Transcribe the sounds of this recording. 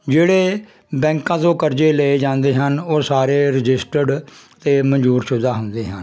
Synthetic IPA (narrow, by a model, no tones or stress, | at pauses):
d͡ʒeːɽeː | bɛ̃ːŋkãːt̪õːkəɾd͡ʒeːleeːd͡ʒãːnd̪eːɦənoːsaːɾeːɾɪd͡ʒɪsʈəɖt̪eːməɲd͡ʒuːɾʃʊd̪aːɦʊnd̪eːɦən